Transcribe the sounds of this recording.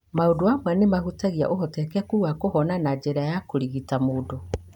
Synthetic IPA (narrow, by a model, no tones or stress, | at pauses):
maodoamwɛnemahutaɣia̰ʔohɔtɛkɛkuɣakohɔnanad͡ʒeɾajakoɾiɣitamoːdo